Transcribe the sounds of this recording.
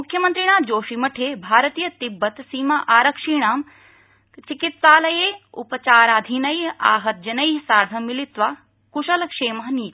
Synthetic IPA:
mʊkʰjɐmɐnt̪ɾiɳ̃aːmd͡ʒoːʃimɐʈʰeːbʱaːɾɐt̪iːjɐt̪ibːɐt̪siːmaʔaːɾɐkʂiːɳ̃aːm | t͡ʃikit̪saːlɐjeːṵpɐt͡ʃaːɾaːd̪ʱinɐjaːɦɐt̪̚d͡ʒɐnɐjɦsaːɾd̪ʱɐmilit̪ʋaː | kuʃɐlɐkʂeːmɐɦɐniːt̪i

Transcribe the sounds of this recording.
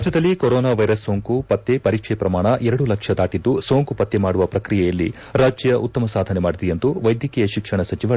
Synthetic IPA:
d͡ʒjɐd̪ɐlːikoɾoːnaːʋɐjɾɐsːoːŋkupɐt̪ːepɐɾiːkʂɛpɾɐmaːɳɐʔɛɾɐɽulɐkʂɐd̪aːʈid̪ːuso̞ːŋkupɐt̪ːemaːɽuʋɐpɾɐkɾijɛjɐlːḭ | ɾaːd͡ʒjjɐʔut̪ːɐmɐsaːd̪ʱɐnemaːɽid̪ijɐnt̪uʋɐjd̪ʱjɐkijɐʃikʂɐɳɐsɐt͡ʃiʋɐ

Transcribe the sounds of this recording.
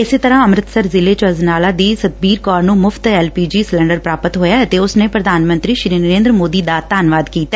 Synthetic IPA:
ɪseːt̪əɾãːəmɾɪt̪səɾzɪleːt͡ʃəznaːlaːd̪iːsət̪̚biːɾkɔːɾnũːmʊpʰt̪ɛːlpiːd͡ʒiːslɛ̃ːɳɖəɾpɾaːpət̪ɦoːjaːət̪eːʊsneːpɾəd̪ʱaːnmə̃nt̪ɾiːʃɾiːnəɾẽːnd̪ɾəmoːd̪iːd̪aːt̪aːnʋaːd̪kiːt̪a

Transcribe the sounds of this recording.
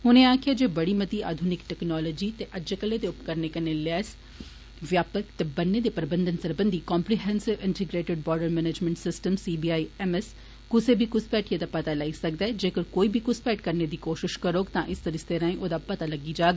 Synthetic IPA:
ɦʊnẽaːkʰɪad͡ʒeːbɐɽimɐt̪ia̰ːd̪ʱʊnɪkʈɛːknɔːlɔːd͡ʒiːt̪eʔɐd͡ʒkəled̪eʊpkɐɾnekɐnelɛːs | ʋjaːpəkt̪ebɐnːed̪epɾɐbə̃nd̪ənsɐɾbə̃nd̪ikɔ̃ːmpɾiɦɛ̃ːnsɪʋɪ̃ɳʈɪɡɾeːʈɪɖ̚bɔːɾɖəɾmɛːned͡ʒmɛ̃ɳʈsɪsʈəmsiːbiaːiɛmɛs | kʊsebʱikʊspɛːʈʰied̪apɐt̪alaːisɐk̚d̪aɛd͡ʒeːkəɾkoːibʱikʊspɛːʈkɐɾned̪iːkoːʃɪʃkɐɾoːɡt̪ãʔɪst̪əɾist̪eːɾãːĩʔoːd̪apɐt̪alɐɡid͡ʒaːɡa

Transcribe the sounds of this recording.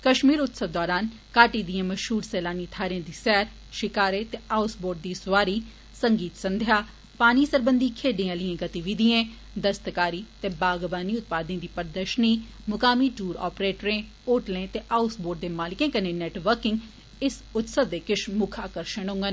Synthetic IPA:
kəʃmiːɾʊt̪səʋd̪ɔːɾaːn | kaːʈiːd̪ijãːməʃɦuːɾsɛːlaːniːt̪ʰaːɾɪãːd̪iːsɛːɾ | ʃɪkaːɾeːt̪eːʔaːʊsboːɾɖ̚d̪iːsʊʋaːɾiː | sə̃ŋɡiːt̪sə̃nd̪ʱɪjaː | paːniːsəɾbənd̪iːkʰeːɖiːãːlijãːɡət̪iːʋid̪iẽː | d̪əst̪əkaːɾiːt̪eːbaːɡʋaːniːʊt̪̚paːd̪ẽːd̪iːpəɾd̪əʃniː | mʊkaːmiːʈuːɾɔ̰ːpɾeːʈɾẽː | oːʈlẽːt̪eːʔaːʊsboːɾɖ̚d̪eːmaːlɪkẽːkəneːnɛːʈʋəɾkɪŋɡ | ɪsʊt̪səʋd̪eːkɪʃmʊkʰaːkəɾʃəɳ̃ʊ̃ŋɡən

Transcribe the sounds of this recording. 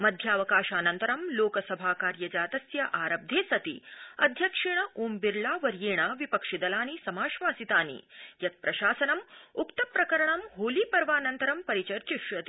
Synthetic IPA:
mɐd̪ʱjaːʋɐkaːʃaːnɐnt̪ɐɾɐmloːkɐsɐbʱaːkaːɾjɐd͡ʒaːt̪ɐsjɐʔaːɾɐb̚d̪ʱeːsɐt̪ḭɐd̪ʱjɐkʂiɳɐʔoːmbiɾlaːʋɐɾjeːɳaʋipɐkʂid̪ɐlaːnisɐmaːʃʋaːsit̪aːnḭjɐt̪̚pɾɐʃaːsɐnɐmukt̪ɐpɾɐkɐɾɐɳɐmɦoːliːpɐɾʋaːnɐnt̪ɐɾɐmpɐɾit͡ʃɐɾt͡ʃiʃʋɐt̪i

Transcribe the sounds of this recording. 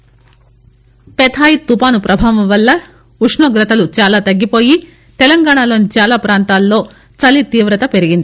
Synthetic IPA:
pɛt̪ʰaːjit̪ːupaːnupɾɐbʱaːʋɐmʋɐlːɐ | uʂɳoːɡɾɐt̪ɐlut͡ʃaːlaːt̪ɐɡːipo̞ːji | t̪ɛlɐŋɡaːɳalo̞ːnit͡ʃaːlaːpɾaːnt̪aːlːo̞ː | t͡ʃɐlit̪iːʋɾɐt̪ɐpe̞ɾiɡind̪i

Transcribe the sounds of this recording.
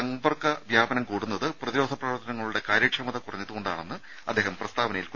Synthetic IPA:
ɐŋbɐrkɐʋjaːbɐnɐmkuːɽunːɐðɨprɐðiɾo̞ːd̪ʰʱɐprɐʋɐrt̪ʰːɐnɐŋːɐɭuɽe̞kaːɾɐːkʂɐmɐðɐkurɐ̰ɲːit̪ːuɣoɳɖa̰ːɳenːɨ | ɐd̪ːe̞ːɦɐmprɐst̪ʰaːʋɐnɐjilk

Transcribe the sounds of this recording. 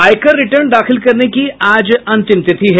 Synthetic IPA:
aːɪkəɾːɪʈəɾɳd̪aːxʰɪlkɐɾnekiaːd͡ʒɐ̃nt̪ɪmt̪ɪt̪ʰiɦɛː

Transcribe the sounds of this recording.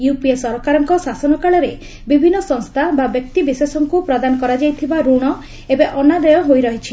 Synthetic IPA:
jupiesɔɾɔkaɾɔŋkɔsasɔnɔkaɭɔɾe | bibʱinːɔsɔŋst̪ʰababjɔk̚t̪ibisesɔŋkupɾɔd̪anɔkɔɾad͡ʒajt̪ʰibaɾuɽ̃ɔ | ebeʔɔnad̪ɔjɔɦojɾɔɦit͡ʃʰi̥

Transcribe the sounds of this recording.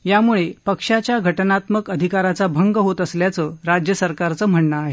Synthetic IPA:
jamuɭepəkʂat͡ɕjaɡʱəʈənat̪məkəd̪ʱikaɾat͡sabʱəŋɡɦot̪əsljat͡səɾad͡ʑjəsəɾkaɾt͡səːm̤əɳɳəːɦe

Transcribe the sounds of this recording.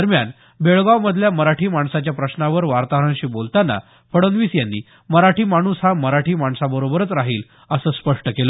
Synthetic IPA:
d̪əɾmjan | beɭɡawməd̪ʱljaməɾaʈʰiːmaɳsat͡ɕjapɾəɕnaʋəɾʋaɾt̪aɦɾəɳɕiːbolt̪anːa̰ | fəɽənʋiːsjanːḭː | məɾaʈʰiːmaɽ̃uːsɦaməɾaʈʰiːmaɳsabəɾobəɾət͡sɾaɦiːl | əsəːspəʂʈəkelə

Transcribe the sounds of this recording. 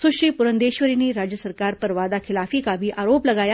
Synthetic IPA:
suɕiːpuɾənd̪eɕʋəɾiniːɾad͡ʑjəsəɾkaɾpəɾʋad̪akʰilafiːkabʱiːʔaɾopləɡaja

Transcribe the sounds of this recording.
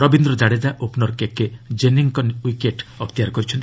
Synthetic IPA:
ɾɔbind̪ɾɔd͡ʒaɽed͡ʒaʔopnɔɾkekːed͡ʒeniŋkɔnwikeʈɔkt̪ijaɾkɔɾit͡ʃʰɔnt̪i

